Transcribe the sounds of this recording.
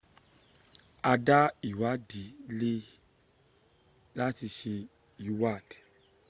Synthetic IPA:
a˧da˦i˨wa˨˦di˨˦le˦ | la˦ti˧ʃe˧ | ju˨˦wa˦˨d̥

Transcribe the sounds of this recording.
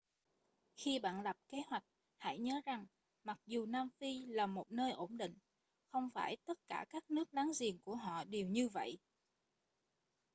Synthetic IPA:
xi˧ɓa̰ː˧˨nla˨˩p̚ke˨˦hwa˨˩jk̟̚ | ha̰˧˩jɲə˨˦za˨˩ŋ | ma˨˩k̚zu˨˩naː˧mfi˧laː˨˩mo˨˩t̚nəː˧jʔo˧˩nɗḭ˧˨ŋ̟ | xə˧wŋ͡mfaː˧˩jt̪ə˦˥t̚kaː˧˩kaː˦˥k̚nɨ˦˥ək̚ɗaː˨˦ŋzi˨˩ənku˧˩əɦɔ̰˧˨ɗi˨˩əwɲɨ˧və̰˧˨jʔ

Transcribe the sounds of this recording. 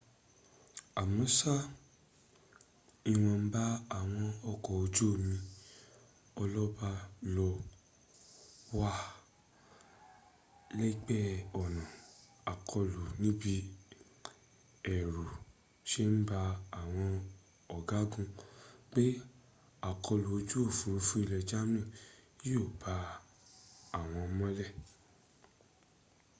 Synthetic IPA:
a˨mɔ̃˨˦sa˦ | i˦˧w̃ɔ̃˧m̩˦ba˦a˨w̃ɔ̃˧ɔ˧kɔ˨o˧d͡ʒo˦˨mĩ˧ | ɔ˧lɔ˦ba˦˧lɔ˧ | wa˦ | le˦i˦k͡pɛ˦ɔ˨nã˨ | a˨kʰɔ˧lu˨nĩ˦bi˧ | ɛ˨ɾu˨ | ʃe˦n̩˦ba˧a˨w̃ɔ̃˧ | ɔ˨ɡa˨˦ɡũ˦k͡pe˦ | a˨kɔ˧lu˨o˧d͡ʒu˦o˦˨fu˨˧ɾu˧fu˦i˦˨lɛ˧d͡ʒa˦m˦ĩ˦˨˦o˦˨ba˧ | a˨w̃ɔ̃˧mɔ̃˦lɛ˦˨

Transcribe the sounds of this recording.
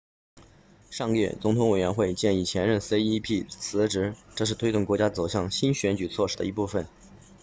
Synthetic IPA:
ʂɑ˥˧ŋjɛ̰˥˩t͡sʊ˧˥ŋt̪ʰʊ˧˥ŋwe˨˩ɪɥɛ˧˥nxwe˥˧ɪt͡ɕjɛ˥˧ni˥˩t͡ɕʰjɛ˧˥nɻə˥˩nse˥ɪi˥pʰi˥˩t͡sʰɹ̩˧˥ʈ͡ʂɻ̩˧˥ʈ͡ʂɤ˥˧ʂɻ̩˥˩t̪ʰwe˥ɪt̪ʊ˥˩ŋkwɔ˧˥t͡ɕja˥t͡so˨˩ʊɕjɑ˥˩ŋɕi˥nɕɥɛ˧˥nt͡ɕy˨˩t͡sʰwɔ˥˧ʂɻ̩˥˩d̪ə̰˧i˧˥pu˥˩fə˨˩n

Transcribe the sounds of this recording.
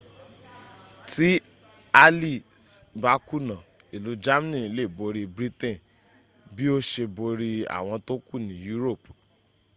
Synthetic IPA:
ti˦ | a˧li˦˨ | ba˦ku˦˨nã˨ | i˨lu˨˦d͡ʒa˦m˦nĩ˦˨˧le˦˨bo˨˧ɾi˧bɾi˦tẽ˦˨ | bi˦o˦ʃe˧bo˧ɾi˧a̰˨w̃ɔ̃˧to˦ku˦˨nĩ˨˦ju˦ɾo˦˨p

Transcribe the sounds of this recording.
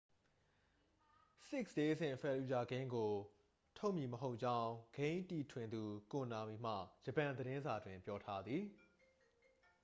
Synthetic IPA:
sɪ˦ksje˦zɪ̰̃˦˨fɛ˨lu˨d͡ʑa˨ɡɪ̃˦ŋɡo˨ | tʰo˦ʊʔmji˨məɦo˦ʊʔ̚t͡ɕã˦ʊ̃ɡ̥ẽ˦ɪ̃nti˨tʰwɪ̃˨nd̪u˨kʊ̃˨na˨mi˨m̥ä̰˦˨d͡ʑə˨pã˨nd̪əɾɪ̃˦nza˨dwɪ̃˨mpjɔ˦tʰa˦d̪ði˨

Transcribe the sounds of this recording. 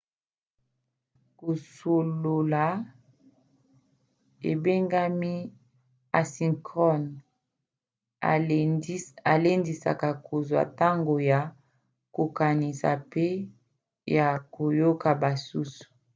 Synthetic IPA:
ko˨so˨lo˨la˨˦ | ḛ˨be˦ŋɡa˦mi˦ | a˨si˨ŋkɔ˦n˦ | a˨le˦ndi˨sa̰˨ka˨kʰo˨zwa̰˨ta˦ŋɡo˨ja˨ | ko˨ka˨ni˨sa̰˨pe˦ | ja˨ko˨jo˦ka˨ba˨su˦su̥˨

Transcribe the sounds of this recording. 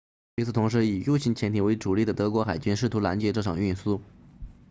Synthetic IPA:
y˧˥t͡s̩ʰ˨˩t̪ʰʊ˧˥ŋʂ̬ɻ̩˧˥i˨˩ju˥˧t͡ɕʰi˧˥nt͡ɕʰjɛ˧˥nt̪ʰi˨˩we˧˥ɪʈ͡ʂu˨˩li˥˩d̪ə˩t̪ɤ˧˥kwɔ˧˥xa˨˩ɪt͡ɕy˥nʂɻ̩˥˩t̪ʰu˧˥la˧˥nt͡ɕjɛ˧˥ʈ͡ʂɤ˥˩ʈ͡ʂʰɑ̰˨˩ŋy˥˩nsu˥

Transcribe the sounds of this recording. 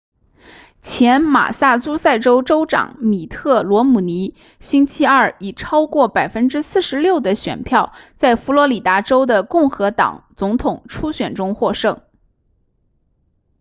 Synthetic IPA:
t͡ɕʰjɛ˧˥nma̰˨˩sa˥˩t͡su˥sa˥˩ɪʈ͡ʂo˥ʊʈ͡ʂo˥ʊʈ͡ʂɑ̰˨˩ŋmi˨˩t̪ʰɤ˥˩lwɔ˧˥mu˨˩ni˧˥ | ɕi˥nt͡ɕʰi˥ɐ˥˩i˨˩ʈ͡ʂʰɑ˥ʊkwɔ˥˩pa˨˩ɪfə˥nʈ͡ʂɻ̩˥sɹ̩˥˩ʂɻ̩˧˥ljo˥˩ʊd̪ə˩ɕɥɛ̰˨˩npʰjɑ˥˧ʊt͡sa˥˩ɪfu˧˥lwɔ˧˥li˨˩t̪a˧˥ʈ͡ʂo˥ʊd̪ə˨kʊ˥˩ŋxɤ˧˥t̪ɑ̰˨˩ŋt͡sʊ˧˥ŋt̪ʰʊ˨˩ŋʈ͡ʂʰu˥ɕɥɛ˨˩nʈ͡ʂʊ˥ŋxwɔ˥˧ʂɤ˥˩ŋ

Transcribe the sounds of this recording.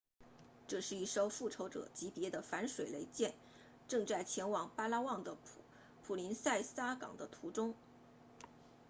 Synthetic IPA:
ʈ͡ʂɤ˥˧ʂɻ̩˥˧i˥˩ʂo˥ʊfu˥˩ʈ͡ʂʰo˧˥ʊʈ͡ʂɤ̰˨˩t͡ɕi˧˥pjɛ˧˥d̪ə˧fa˧˥nʂwe˨˩ɪle˧˥ɪt͡ɕjɛ˥˩n | ʈ͡ʂɤ˥˧ŋt͡sa˥˩ɪt͡ɕʰjɛ˧˥nwɑ˨˩ŋpa˥la˥wɑ˥˩ŋd̪ə˩ | pʰu˨˩li˧˥nsa˥˩ɪsa˥kɑ̰˨˩ŋd̪ə˦t̪ʰu˧˥ʈ͡ʂʊ˥ŋ

